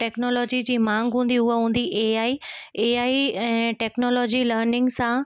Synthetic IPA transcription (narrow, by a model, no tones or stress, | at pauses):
ʈeːknoːlɔːd͡ʑid͡ʑiːmãːŋɡɦũːn̆d̪iʊɦeɦũːn̆d̪iʔeːaːieːaːiɛ̃ːʈeːknoːlɔːd͡ʑiləːɾnɪ̃ŋɡsã